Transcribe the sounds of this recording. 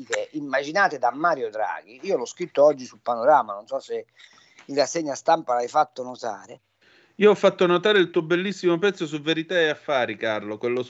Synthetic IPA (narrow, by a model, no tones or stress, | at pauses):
t̪eʔimːad͡ʒinaːt̪ed̪amːaːɾjod̪ɾa̰ːɡiiːolɔskɾit̪ːoɔd͡ʒːisulpanoɾaːmanonsɔsːe | inrasːeɲːast̪ampalajfat̪ːonot̪a̰ːɾe | iːoɔfːat̪ːonot̪aːɾeilt̪uːobelːisːimopɛt̪sːosuvːeɾit̪aeafːaːɾikarlokwelːos